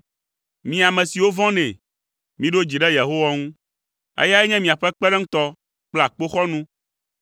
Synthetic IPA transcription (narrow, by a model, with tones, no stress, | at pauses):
mĩ˨a˨mɛ̃˨si˨wo˦vɔ̃˦nɛ̃˨ | mĩ˨˦ɖo˦d͡ʑi˨ɖɛ˦je˨ɦo˦wa˦ŋũ˦ | ḛ˦ja˦ɛ˦ɲɛ̃˦mĩ˨a˨ɸɛ˦k͡pɛ˦ɖɛ˦ŋ̩̃˦t̪ɔ˦ | k͡plɛ˦a˨k͡po˦xɔ˦nũ˦